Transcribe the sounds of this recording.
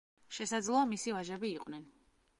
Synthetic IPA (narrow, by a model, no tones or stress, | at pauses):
ʃɛsad̪zlˠɔamisivaʒɛbiːqʼwnɛn